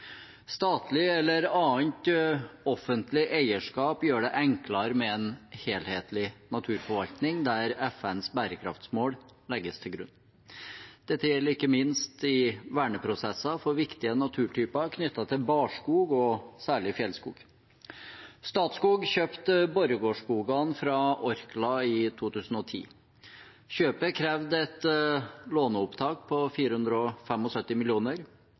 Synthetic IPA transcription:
st̪ɑːt̪ʰlɪɛlːəɾɑːnt̪ɔfənt̪lɪʔæɪəʂkɑːpjøːɖɛʔɛŋklɑɾmɛɛnheːlheːt̪ʰlɪnɑt̪ʰʉːɾfɔɾʋɑlt̪nɪŋd̪æɾɛfɛnsbæːɾəkʰɾɑ̰ft̪smoːɽlɛɡːəst̪ʰɪlɡɾʉ̰nː | d̪̥ɛt̪ːəjɛlːəɾɪkːəmɪnst̪ɪʋæːɳəpʰɾʊsɛsɑfɔɾʋɪkt̪ɪənɑt̪ʰʉːʈʰyːpɑkʰnʏt̪ːɑt̪ʰɪlbɑːʂkuːɡɔsæːɭɪfjɛlskṵːɡ | st̪ɑːt̪skuːɡçøːpt̪bɔɾəɡoːʂkuːɡɑnfɾɑʔɔɾklɑɪt̪ʰuːt̪ʰʉːsn̩ɔt̪ʰḭː | ɕøːpəkʰɾɛːʋd̪ɛt̪ | loːnəʊpt̪ʰɑːkpʰɔfiːɾəhʉnd̪ɾɔfɛmɔsœt̪ːɪmɪlɪuːnəɾ

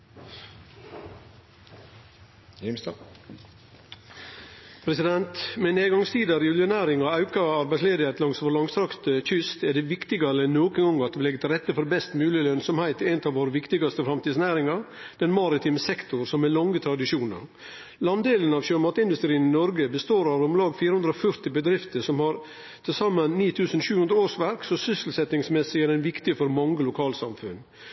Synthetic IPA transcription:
s | pʰɾɛsɪd̪ɛnt̪mɛneːɡɑŋst̪iːd̪ɑɾɪʋɪlʊnæːɾɪŋɑɑʉkɑɑɾbæɪsleːd̪əet̪lɑŋsfɔɾɭɑŋst̪ɾɑkt̪əc͡çʏst̪æɖɛʋɪkt̪ɪɡɑɾəɛnːoːkənɡɔŋɑt̪̚ɪlɛɡːt̪ʰɪlɾɛt̪ːəfɔɾbɛst̪mʉːlɪəlœnsɔmhæɪt̪æɪnət̪ɑːʋoːɾəʋɪkt̪ɪɡɑst̪əfɾɑmt̪iːd̪snæːɾɪŋɑd̪̥ɛnmɑɾɪt̪ʰiːməsɛkt̪ʊɾsɔmɛlɔŋːət̪ʰɾɑd̪ɪʂuːnə̰ɾ | lɑnd̪eːlənɑʋɕømɑːt̪ɪnd̪ʉst̪ɾiːənɪnɔɾɡəbəst̪oːɾɑɾɔmlɑːɡfiːɾəhʉnd̪ɾɔfœɾt̪ɪbəd̪ɾɪft̪əsɔmhɑɾ | t̪ʰɪlsɑmɑnːiːt̪ʰʉːsənɕʉːhʉnd̪ɾəoːʂʋæɾksɔsʏsl̩sɛt̪ɪŋsmɛsɪɡæɖɛnʋɪkt̪ɪəfɔɾmɑŋːəlʊkʰɑːlsɑ̰mfʉ̰n

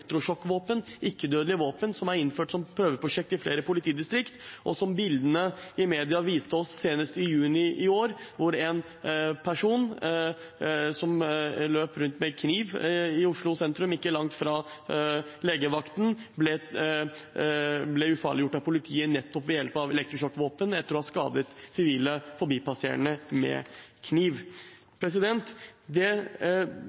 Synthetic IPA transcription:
kt̪ɾʊʂɔkːʋoːpənʔɪkːəd̪øːd̪lɪʋoːpənsɔmæɾɪnføːʈsɔmpʰɾøːʋəpʰɾʊʂɛk̚t̪ɪfleːɾəpʰʊlɪt̪ʰiːd̪ɪst̪ɾɪkt̪ʔɔ̰sɔmbɪld̪ənəɪmeːd̪ɪɑʋiːst̪əɔsːeːnəst̪ɪjʉːnɪʔɪoːɾʋʊɾɛn | pʰæʂuːn | sɔmløːpɾʉnt̪mɛkʰniːʋɪʊʂɭʊsɛnt̪ɾʉmɪkːəlɑŋt̪fɾɑ | leːɡəʋɑkt̪n̩blɛ | blɛʉfɑ̰ːɭɪjʊʈːɑpʊlɪt̪ʰiːənɛt̪ʰːɔpːʋɛjɛlpəɑʋɛlɛk̚t̪ɾɔʂɔkːʋoːpənɛt̪ːəɾɔhɑʂkɑ̰ːd̪ət̪sɪʋiːləfɔbiːpɑsḛːɾə̰nəmɛ̰kʰniːʋ | pʰɾɛs̬ɪd̪ɛnt̪d̪ɛ

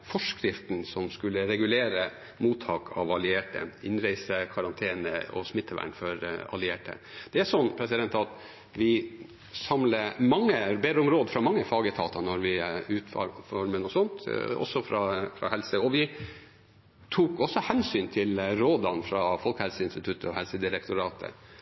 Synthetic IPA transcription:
fɔʂkɾɪft̪nsɔmskʉlːəɾɛɡʉleːɾə | muːt̪ʰːɑːkʰɑ̰ʋɑlɪeːʈə̰ɪnɾæɪsəkʰʋɑɾɑnt̪ʰeːnə̰ɔ̰smɪt̪ʰːəʋæ̰ɳfɔɾɑ̰lɪeːʈə̰ | d̪̥ɛæʂɔnːpʰɾɛsɪd̪ɛnt̪ɑt̪ | ʋɪ | sɑmləmɑŋːəbed̪ɾəʊmɾoːd̪əfɾɑmɑŋːəfɑːɡət̪ʰɑːt̪ɑnɔɾʋɪʉːt̪fɑ̰ːɾfɔɾmənɔsɔnt̪ɔ̰sːɔfɾɑfɾɑ̰hɛlsəɔʋɪ | t̪ʰuːkɔsːɔhɛnsyːnt̪ʰɪlɾoːd̪ɑnfɾɑfɔlkhɛlsəɪnst̪ɪt̪ʰʉt̪ʰːəɔhɛlsəd̪ɪɾɛkt̪ʊɾɑːt̪ʰə̰

